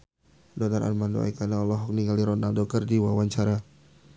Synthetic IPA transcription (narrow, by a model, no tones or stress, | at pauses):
dɔnaɾʔa̰rmando̰a̰jkanaɔlɔɦɔk̚niŋɡaliɾɔnaldɔkərdiwawaɲt͡ʃaɾa